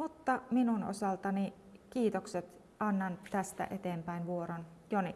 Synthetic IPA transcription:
mut̪ːɑminuno̰sɑlt̪ɑni | kiːt̪okset̪ | ʔɑnːɑnt̪æst̪æ̰ʔet̪eːmpæinʋuoɾonjoni

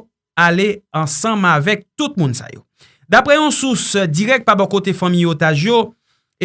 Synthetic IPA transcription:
aleɑ̃sʌ̃mavɛk̚t̪ut̪̚mũnsa̰jo̰ | d̪apʁɛjɔ̃susd͡ziʁɛk̚t̪̚pabɔ̃kot̪efãmĩjot̪aʒjo | e

